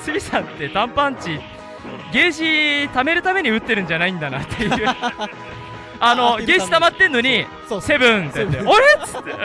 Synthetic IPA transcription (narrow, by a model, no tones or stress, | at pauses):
sɨɡʲisãnt̪ːe̞d̪ãmpãɲt͡ɕi | ɡe̞ːɕit̪ame̞ɾɯ̟t̪ame̞ɲ̟iɯ̟t̪ːe̞ɾɯ̟̃ɲ̟d͡ʑanaĩnd̪anat̪ʰːejɯɯː | ano̞ɡe̞ːɕi̥t̪amat̪ːe̞nːo̞ɲ̟i | se̞bɯ̟̃t̪et̪ːeoɾeɨ̥t̪ːe